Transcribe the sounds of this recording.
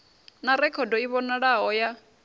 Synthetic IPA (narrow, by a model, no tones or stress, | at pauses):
naɾɛkʰɔdɔiβɔnaɺaɦɔja